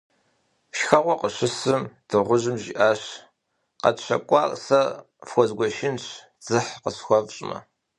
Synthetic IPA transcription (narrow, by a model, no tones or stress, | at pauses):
ʃxɐʁʷɔqəɕɨsɨmd̥ɨʁʷʊʑɨmʒḭːʔaːɕ | qɐ̰tɕɐ̰kʷʼɑ̰ːrsɐ | fxʷɔzɡʷɔʃɪnɕ | d͡z̥ɨħqəsxʷɔvɕʼmɐ̰